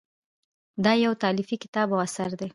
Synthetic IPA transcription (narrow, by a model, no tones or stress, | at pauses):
d̪ɑjawt̪ɑlɪfikɪ̥t̪ɑbawasaɾd̪e